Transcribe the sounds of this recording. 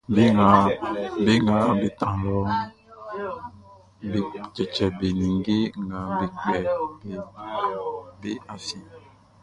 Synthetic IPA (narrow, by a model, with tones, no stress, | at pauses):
be˦ŋɡa˨be˦ŋɡa˨be˨t̪ã˨lɔ˦ | be˨t͡ʃɛ˨t͡ʃɛ˨be˨nĩ˨ŋɡe˦ŋɡa˨be˨kɛ˨be˨ | be˦a˨si˨